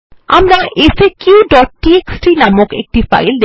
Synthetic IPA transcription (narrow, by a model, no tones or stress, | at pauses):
a̰mɾaʔesekjuɖɔʈ̚ːieksʈɾinamokḛk̚ʈifa̰jld̪e